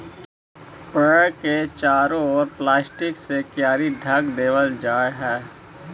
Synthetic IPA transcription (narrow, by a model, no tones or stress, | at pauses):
pəket͡ʃaːɾõɔːɾplaːsʈɪksekjaːɾiɖʱəɡd̪eːʋəld͡ʒaːeɦɛː